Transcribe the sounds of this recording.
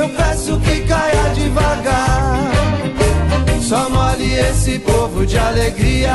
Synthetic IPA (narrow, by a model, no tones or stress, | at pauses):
ewpɛ̃sʊkɪkajad͡ʒɪvaɡa | sɔmɔliesɪpovʊd͡ʒɪaleɡɾiɐ